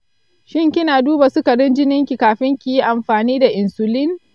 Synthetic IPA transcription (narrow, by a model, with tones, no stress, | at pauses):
ʃɪ˦ŋkʲɪ˦naː˨duː˦ba˨sʊ˦kɐ˨dɪ˦nd͡ʒɪ˦nɪ˦ŋkʲi˨kaː˨ɸɪ˦ŋkʲi˨ji˦ʔa˨mɸaː˨niː˦da˨ʔɪ˨nsʊ˨lɪ˦ŋ